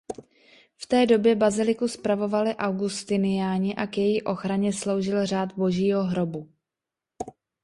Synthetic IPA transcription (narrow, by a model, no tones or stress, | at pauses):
ft̪ɛːdo̞bjɛbazɪlɪkuspɾavo̞valɪʔawɡust̪ɪnɪjaːɲɪʔakjɛjiʔo̞xɾaɲɛslo̞wʒɪlr̝aːt̪bo̞ʒiːɦo̞ɦɾo̞bu